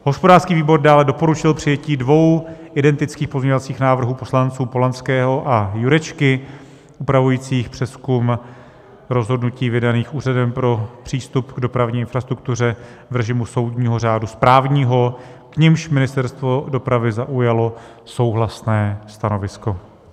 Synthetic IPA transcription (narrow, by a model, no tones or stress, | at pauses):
ɦo̞spodaːrskiːviːbo̞rdaːlɛdo̞po̞ɾut͡ʃɪlpr̝̥ɪjɛciːdvo̞wʔɪdɛnt̪ɪt͡skiːxpo̞zɲɛɲovat͡siːxnaːvr̩ɦuːpo̞slant͡suːpo̞lanskɛːɦo̞ʔajuɾɛt͡ʃkɪ | ʔupɾavujiːt͡siːxpr̝̥ɛskum | ɾo̞zɦo̞dnuciːvɪdaniːxʔuːradɛmpɾo̞pr̝̥iːst̪upɡdo̞pɾavɲiːɪnfɾast̪ɾuk̚t̪ur̝ɛ | vɾɛʒɪmuso̞wdɲiːɦo̞raːduspɾaːvɲiːɦo̞ | kɲɪmʃmɪnɪst̪ɛɾst̪vo̞do̞pɾavɪzaʔujalo̞ | so̞wɦlasnɛːst̪ano̞vɪsko̞